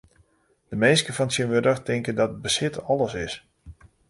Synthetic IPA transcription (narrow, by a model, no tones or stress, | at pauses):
d̥əmenskəfɔnsjənʋəɾəxtɪŋkəndɔtəbəsɪtɔlˠəsɪs